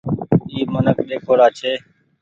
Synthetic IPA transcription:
iːmənəkɗeːkʰoːɽaːt͡ʃʰeː

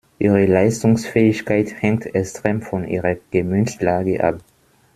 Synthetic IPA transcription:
ʔiːʁəlaɪstʊŋsfɛːɪçkʰaɪthɛŋ̚tʰɛkstʁ̥eːmfɔnʔḭːʁəɡ̥əmynstlaːɡəʔa̰p̚

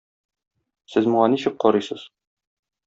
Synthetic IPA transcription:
sɘzmuɴɑniɕɘk̚qɒɾɤjsɤz̥

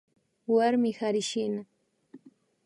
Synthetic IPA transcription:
waɾmɪhaɾɪʃɪna

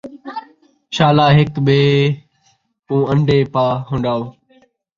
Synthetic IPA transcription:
ʃaːlaːɦɪkɓeː | pũːəɳɖʱeːpaːɦʊ̃ːɳɖaːoː

